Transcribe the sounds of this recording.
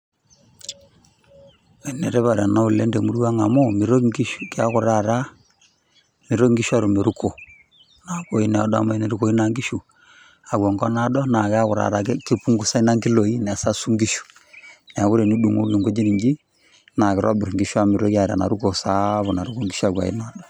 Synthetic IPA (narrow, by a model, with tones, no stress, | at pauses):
ɛ˨nɛ˨ɾe˦βa˨ɾa˨na˦u˨le˦nde˨mu˦ɾu˦a˦ŋa˨mo˦mi˨ɾo˦i˦u˦ke˦a˦ɣʊ˨ɾa˦˨ɾa˦ | mɪ˨ɾo˦ŋɡi˦ʃu˦a˦ɾu˨me˨ɾu˦ko˨ | na˨ko˦i˦nɛ˨ɔ̰˦da̰˦˨ma˦i˦ne˨ɾu˨ko˨i˦na˨ŋɡi˦ʃu˨ | a˨wɔ˨ŋɡɔ˦na˦dɔ˦na˨kɪ˦a˦ɣʊ˨ɾa̰˨ɾa˨˦kɪ˦pu˦ŋɡu˦sa˦i˦na˦ŋɡɪ˦lo˨i˦nɛ˨a˨sa˦su˦ŋɡi˦ʃu̥˨nɛ˨a˨ku˦ɾe˨ni˦du˨ŋo˦ɡi˨ŋɡo˦d͡ʒi˦ni˨ɲd͡ʒi˦ | na˨kɪ˨ɾʔa˦bɪ˨ɾŋɡi˦ʃu˦a˦˨mɪ˨ɾo˦kja˨ɾa̰˨na̰˨ɾu˦ko˨sa˦βo˨na˨ɾu˦ko˦ŋɡi˦ʃu˦a˨wa̰˨ḭ˦na˨ɗɔ˨